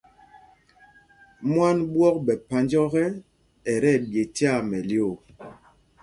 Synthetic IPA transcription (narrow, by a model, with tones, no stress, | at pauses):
mwa˦nbwɔ˦k̚ɓɛ˨pa˨nd͡ʒɔ˦ɣɛ˦ | ɛ˨ɾɛ˦˨bje˨ti˦a˦˨mɛ˨ljo˦˨